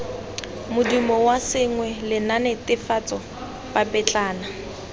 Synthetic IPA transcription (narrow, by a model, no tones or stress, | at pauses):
mʊdimɔwasɪŋwɛlɪnanɪtɪfat͡sʼɔ | bapʼɛt͡ɬʼaːna